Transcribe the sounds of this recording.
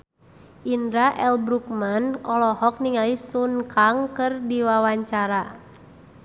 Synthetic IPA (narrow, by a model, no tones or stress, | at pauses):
ʔindɾaʔɛlbɾuk̚manɔlɔhɔk̚niŋalisunkʰaŋkɨrdiwawaɲt͡ʃaɾa